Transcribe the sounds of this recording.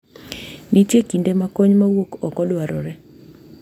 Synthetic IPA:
nitjekindemakoɲmawokɔkɔlwaɾɔɾɛ

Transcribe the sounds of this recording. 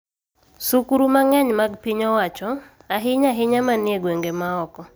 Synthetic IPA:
sukuɾumaŋɛɲmaɡpiɲɔwat͡ʃɔ | aɦɪɲaɦɪɲamanɪeɡweŋɡemaɔkɔ

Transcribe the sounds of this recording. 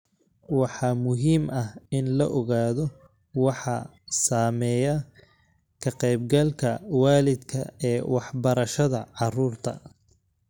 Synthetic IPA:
wɑħɑːmʊɦiːmɐhɪnlɐʔɔɣaːðɔ | wɑħɑ̰ | saːmɛːjɐ | kʰɐqɛjb̚ɡɐlkʰɐwaːlɪd̪kʰɐ̰ɛːwɑħbɐɾɐʃɐðɐʕɑruːrt̪ʰɐ̰

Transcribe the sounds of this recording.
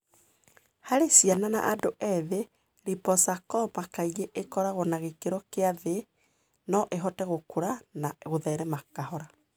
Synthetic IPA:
haɾesianana̰ʔadoʔɛðe | ɾipɔsakɔpakaiɣeʔekɔɾaɣɔnaɣekeɾɔkeaðe | nɔʔeɦɔtɛɣokuɾanaɣoðɛɾɛmakahɔɾa

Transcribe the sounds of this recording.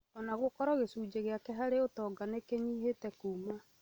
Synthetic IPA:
ɔnaɣokɔɾɔɣesuːd͡ʒeɣeakɛɦaɾeotɔːɡanekeɲiːɦetɛkuːma

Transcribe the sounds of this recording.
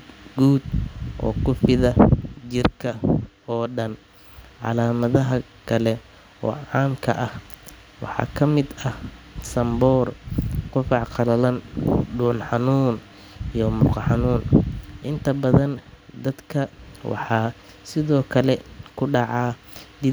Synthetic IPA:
ɡuːd̪ʔɔ̰ːkʊfɪðɐt͡ʃɪrkʰɐ | ɔːɖɐn | ʕɑ̰laːmɐðɐɦɐ | kʰɐlɛ | ɔ̰ːʕɑːmkʰɐʔɐh | wɑ̰ħɑ̰ːkʰɐmɪd̪ɐhsɐmbɔːrqʊfɑʕqɑlɐlɐnɖuːnħɑnuːn | ijɔmʊqɑħɑnuːnʔɪnt̪ʰɐbɐðɐnd̪ɐd̪kʰɐwʔɑ̰ħɑː | sɪðɔːkʰɐlɛkʰʊɖɑʕɑː | d̪ɪ

